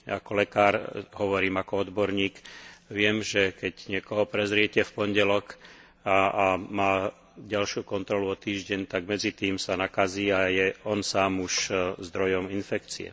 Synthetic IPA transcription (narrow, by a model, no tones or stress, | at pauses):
a̰kɔlɛkaːɾɦɔʋɔɾiːmakɔɔd̪bɔɾɲiːkʋɪɛmʒɛkɛɟɲɪɛkɔɦɔpɾɛzɾɪɛcɛfpɔɲɟɛlɔk | amaː | ɟalʃjuːkɔnt̪ɾɔluɔt̪iːʒɟɛɲt̪aɡmɛd͡zit̪iːmsanakaziːajɛɔnsaːmuʃzd̪ɾɔjɔminfɛkt͡sḭɛ̰